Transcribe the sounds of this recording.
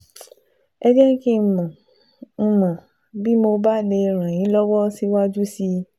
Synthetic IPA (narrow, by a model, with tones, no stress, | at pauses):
ɛ˧d͡ʒɛ˦ki˦˨mã˨˧ | mã˨ | bi˦mo˧ba˦˨ne˧ɾ̃ã˨j̃ĩ˨˦lɔ˦wɔ˦si˦wa˦d͡ʒu˦si˧˦